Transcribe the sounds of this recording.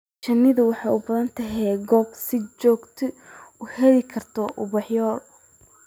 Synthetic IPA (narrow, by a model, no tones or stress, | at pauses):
t͡ʃɐnːɪðʊwɑħɑːʊbɐðɐnt̪ʰɐɦɛɡɔːbsɪt͡ʃɔːɡt̪ʰɪʊhɛlɪkʰɐrt̪ʰɔʔʊβɑħjɔːr